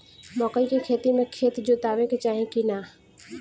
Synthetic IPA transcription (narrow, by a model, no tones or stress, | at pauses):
mɔːkəikekʰeːt̪imẽkʰeːt̪d͡ʒot̪aːʋẽket͡ʃaːɦĩkinaː